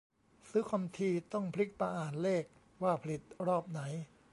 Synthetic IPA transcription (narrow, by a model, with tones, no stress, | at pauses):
sɯ˦˥kʰwa˧mt̪ʰiː˧t̪ɔ˥˩ŋpʰli˦˥k̚pa˧ʔaː˨˩nleː˥˩k̚ | waː˥˩pʰa˧li˨˩t̪̚ɾɔː˥˩p̚na˩˦j